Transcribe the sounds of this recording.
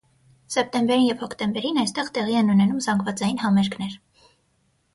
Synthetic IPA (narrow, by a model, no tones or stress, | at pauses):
sɛp̚t̪ɛmbɛɾinjɛvhɔkʰt̪ɛmbɛɾinɑjst̪ɛʁt̪ɛʁiɛnunɛnumzɑŋɡvɑt͡sɑjinhɑmɛɾkʰnɛɾ